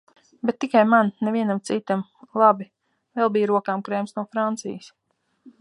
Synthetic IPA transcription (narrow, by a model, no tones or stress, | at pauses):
bɛt̪ːikajmannɛviɛnamt̪sit̪amlˠabi | vɛlˠbijɾuɔkaːmkɾeːmsnuɔfɾant̪sḭjɪs